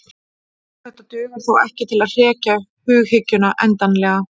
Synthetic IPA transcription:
θɛht̪ːat̪ʏːɣʏɾ̥θawɛhcɪt̪ʰɪlaðr̥ɛːcahʏːɣhɪcːʏnaʔɛnt̪anlɛːɣa

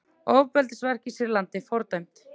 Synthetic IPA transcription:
oːwpɛlt̪ɪsvɛr̥cɪsɪɾlant̪ɪfɔɾt̪œɥm̥t̪

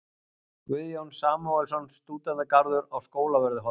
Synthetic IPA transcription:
kvɪðjownsaːmaɛlsɔnst̪uːt̪aðakaɾðʏɾawskoːwlavɛɾðɪɦɔ

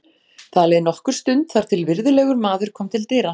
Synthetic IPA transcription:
θʰaðlɛðɪnɔhkʏɾ̥st̪ʏnt̪θaɾ̥t̪ʰɪlvɪɾðɪlɛɣʏɾmaːðʏɾ̥kʰɔːmt̪ʰɪlt̪ɪːɾa

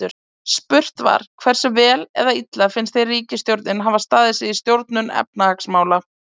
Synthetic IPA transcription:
ʏɾ | spʏr̥t̪va̰ɾ̥kʰvɛr̥sɪvɛːlɛ̰ðait̪lafɪnst̪θejriːcɪst̪jowɾt̪nɪnɦaːvast̪aːðɪsɪðist̪jowɾt̪nʏnɛ̰p̚nahaksmaːwla

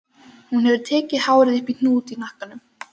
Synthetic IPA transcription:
hunhɛvɪɾ̥t̪ʰɛːcɪðhaːwɾɪðɪhpin̥uːt̪inahkanʏm

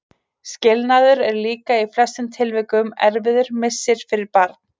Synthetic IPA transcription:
scɪlnaðʏɾɛɾliːkaiflɛst̪ʏmt̪ʰɪlvɪkʏmɛɾvɪðʏɾ̥mɪsːɪɾ̥fɪɾɪɾpaɾt̪n̥

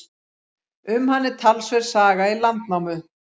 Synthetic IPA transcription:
ʏmhanːɪt̪ʰalsvɛɾ̥saːɣailant̪nawmʏ

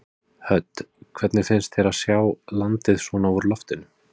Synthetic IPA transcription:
hœt̪kʰvɛt̪nɪfɪnst̪θɛɾaðsjaːwlant̪ɪðsvɔnauɾlɔft̪ɪnʏ

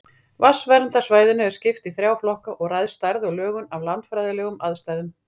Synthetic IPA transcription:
vasvɛɾnt̪asvaːjðɪnɛvɪɾ̥scɪft̪iθɾjaːwflɔhkaʔɔɣrajðst̪aɾðɔɣlœːɣʏnavlant̪fɾajðɪlɛːɣʏmaðst̪ajðʏm

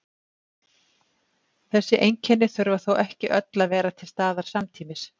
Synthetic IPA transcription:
θɛsːɪʔejɲcʰɛnːɪθʏɾvaθowʔɛhcɪʔœt̪lavɛːɾat̪ʰɪlst̪aːðaɾ̥samt̪ʰiːmɪs

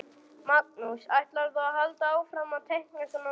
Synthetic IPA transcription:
mak̚nusajht̪laɾθaahalt̪aaːwfɾamat̪ʰehkŋasana

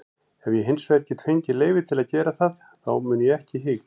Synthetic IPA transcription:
ɛvjɛɦɪnsvɛɾcɪt̪ʰvejɲcɪleːjvɪt̪ʰɪlaðcɛːɾaθað | θawmʏːnjɛɛhcɪɦɪːkn

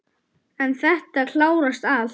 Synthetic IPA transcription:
ɛnθɛht̪aɾl̥aːwɾast̪al

